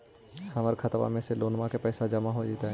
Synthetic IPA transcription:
hɐməɾkʰət̪ʋa̰mẽseloːnmãkepɛːsad͡ʒɐmaɦod͡ʒiːt̪aɦɛ

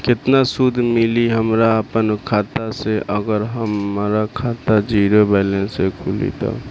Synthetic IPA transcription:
kɪt̪nasud̪ʱmɪliɦəmɾaəpənkʰaːt̪aseʔəɡəɾɦəmɾakʰaːt̪ad͡ʒiːɾobɛːlensekʰulḭt̪a̰

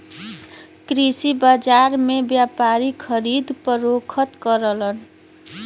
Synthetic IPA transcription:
kɾisibad͡zaɾmebjapaɾikʰʌɾid̪pʌɾokʰʌt̪kʌɾʌlʌn

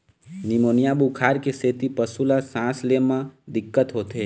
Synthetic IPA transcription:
nimoːnijabukʰaːɾkeset̪ipəsulasãslemãd̪ɪkːət̪ɦoːt̪e

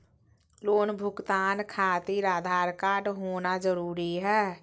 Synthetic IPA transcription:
loːnbʱʊkt̪aːnkʰaːt̪iɾaːd̪ʱaːɾkaːɖɦoːnazəɾuːɾiɦɛː

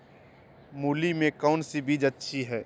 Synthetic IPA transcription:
muːlimẽkɔːʊnsibʱiːd͡ʒətːʃʰiɦɛː

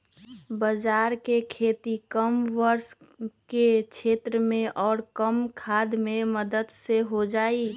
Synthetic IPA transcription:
bəd͡ʒaːɾkekʰeːt̪ikəmʋəɾsket͡ʃʰeːt̪ɾəmẽʔɔːɾkəmkʰaːd̪mẽməd̪əd̪seɦod͡ʒaːi

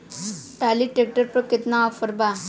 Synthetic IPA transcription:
ʈaliʈek̚ʈəɾpəkit̪naɔfəɾba

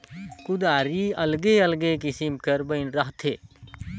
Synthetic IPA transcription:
kʊd̪aːɾiːɐlɡeːɐlɡekɪsimkəɾbəɪnɾɐɦt̪ʰeː

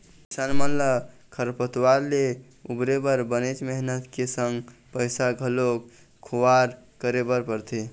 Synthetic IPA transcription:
isanmənlə | kʰəɾpət̪waɾle | ubɾebəɾbənet͡ʃməɦnət̪kesəŋɡpəjsaɡʱəlok | kʰuwaɾ | kəɾebəɾpəɾt̪ʰi

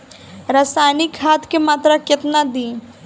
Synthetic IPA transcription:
ɾaːsaːjnɪkaːt̪kemaːt̪ɾakɪt̪nad̪ĩː

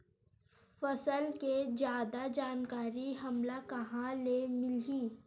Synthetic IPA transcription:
fɐsəlked͡ʒjaːd̪ad͡ʒaːnkaːɾiɦɐmlakɐɦãlemɪliː

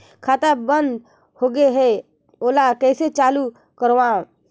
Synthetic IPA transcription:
kʰaːt̪abə̃nd̪ | hoːɡeɦe | oːlakɛːset͡ʃaːlu | kəɾʋã

